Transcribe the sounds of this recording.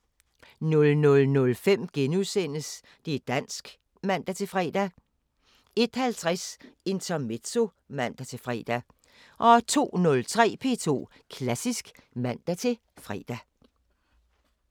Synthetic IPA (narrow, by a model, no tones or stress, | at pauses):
nɔ̽lnɔ̽lnɔ̽lfem̰ɡ̥enuðˠsen̰əs | d̥e̝d̥æn̰sɡ̥ | mæn̰d̥æt͡sʰe̝lfʁɛ̰ːd̥æ | e̝d̥hælt͡sʰʁase̝nt͡sʰɒme̝d̥so̝ | mæn̰d̥æt͡sʰe̝fʁɛ̰ːd̥æ | ʔɒ̽t͡sʰo̝̰ːnɔ̽lt͡sʰʁɛ̰ːpʰe̝̰ːt͡sʰo̝̰ː | kʰlæsisɡ̥mæn̰d̥æt͡sʰe̝ | fʁɛ̰ːd̥æ